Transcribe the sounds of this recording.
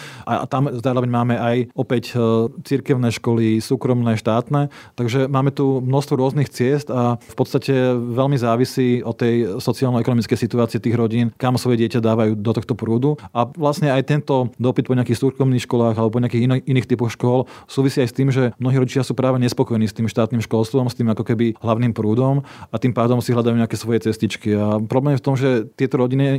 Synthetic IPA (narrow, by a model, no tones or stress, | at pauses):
ʔa̰t̪amzaːɾɔʋɛɲmaːmɛajɔpɛct͡siɾkɛʊnɛʃkɔlisuːkɾɔmnɛːʃt̪aːt̪nɛːt̪aɡʒɛmaːmɛt̪umnɔʃst̪ʋɔɾʊɔznixt͡sɪɛst̪afpɔt̪st̪acɛʋɛlmizaːʋisiːɔt̪ːɛjsɔtt͡siaːlnɛkɔnɔmit͡skɛjsit̪uaːt͡siɛt̪iːɣɾɔɟiːnkamsʋɔjɛɟɪɛcad̪aːʋajuːd̪ɔt̪ɔxt̪ɔpɾuːd̪uʔaʋlasɲɛajt̪ɛnt̪ɔd̪ɔpit̪̚pɔɲɪakiːxsuːʃkɔʊniːxʃkɔlaːɣalɛbɔpɔɲɪakiːxininiːxt̪ipɔxʃkɔlsuːʋisiːajst̪iːmʒɛmnɔɦiːɾɔɟit͡ʃɪasuːpɾaːʋɛɲɛspɔkɔjɛniːst̪iːmʃt̪aːt̪niːmʃkɔlst̪ʋɔmst̪iːmakɔkɛbiɦlaʊniːmpɾuːd̪ɔmat̪iːmpaːd̪ɔmsiɦlad̪ajuɲɛakɛːsʋɔjɛt͡sɛscit͡ʃkiapɾɔblɛːmjɛft̪ɔmʒɛt̪ɪɛt̪ɔɾɔɟini